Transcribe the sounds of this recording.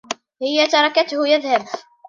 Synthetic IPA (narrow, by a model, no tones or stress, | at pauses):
hɪjːat̪ɑɾˤɑkat̪hʊjaðhab